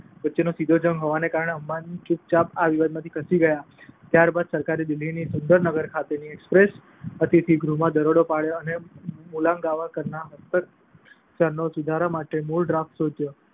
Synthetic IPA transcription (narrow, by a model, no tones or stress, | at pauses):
ʋətːt͡ʃenosid̪ʱod͡ʒə̃ŋɡɦoʋanekaɾəɳ̃eɦəmːant͡ʃup̚t͡ʃapaʋiʋad̪mãt̪ʰi̥kʰəsiɡəja | t̪jaɾbad̪səɾkaɾid̪ɪlːinisʊnd̪əɾnəɡəɾkʰat̪eniekspɾes | ət̪it̪ʰiɡɾumãd̪əɾoɽopaɭjoənemulãŋɡaʋakəɾnaɦəst̪əɾ | səɾnosud̪ʱaɾamaʈemulɖɾafʈsod͡ʒjo